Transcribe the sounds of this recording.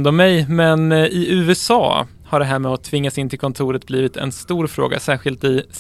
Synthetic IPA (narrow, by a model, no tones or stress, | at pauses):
nd̪ɔmːɛjmɛnʔɪʔʉ̟ːɛsɑ̰ː | haɖɛɦæːɾmɛːɔt̪ʰvɪŋːasɪnt̪ʰɪlkʰɔnt̪ʰuːɾət̪̚bliːvɪt̪ʰɛ̰nst̪uːɾfɾo̰ːɡa̰sæːɧɪlt̪ɪs